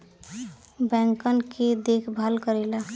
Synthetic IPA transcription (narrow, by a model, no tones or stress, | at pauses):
bɛ̃ŋkənked̪ekʰbʱalkəɾela